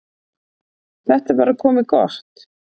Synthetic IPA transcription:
θɛht̪avaːɾakʰɔːmɪkɔ̰r̥t̪

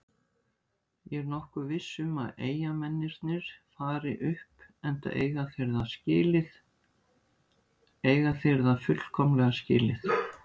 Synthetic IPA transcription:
jɛɾnɔhkʏvɪsːʏmaðeːjamɛnːɪɾt̪nɪɾ̥faːɾɪʔʏhpɛn̥t̪a̰ʔeːjɣaθɪɾðascɪːlɪθ | eːjɣaθɪɾðafʏl̥kʰɔmlɛɣascɪːlɪθ

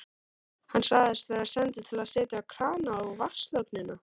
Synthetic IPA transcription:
hanːsaːɣðɪst̪vɛɾasɛnt̪ʏt̪ʰɪlaðsɛːt̪jakʰɾaːnaɔvaslœknɪnːa

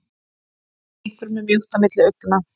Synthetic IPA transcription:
ikvɪɾmɛmjuht̪amɪt̪lɪœt̪ːʏna

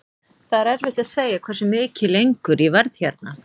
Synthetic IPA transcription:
θaɾɛɾvɪt̪aðseːjakʰvɛɾ̥sʏmɪːcɪlejŋkʏɾivaɾðçaɾt̪na

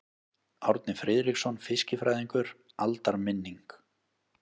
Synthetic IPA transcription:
awɾt̪̚nɪfɾɪðɾiksɔnfɪscɪfɾajðiŋkʏɾ | alt̪aɾmɪnːiŋk

